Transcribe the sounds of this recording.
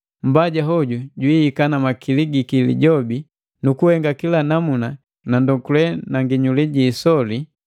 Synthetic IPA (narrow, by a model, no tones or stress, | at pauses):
m̩baɟaɦɔɟuɟwiikanamakiliɡikilḭɟɔbi | nukuhɛŋɡakilanamuna | nandɔkulɛnaŋɡiɲuliɟiːsɔli